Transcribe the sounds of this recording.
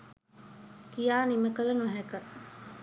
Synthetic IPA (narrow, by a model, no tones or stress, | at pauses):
kijaːniməkələnoɦɛkə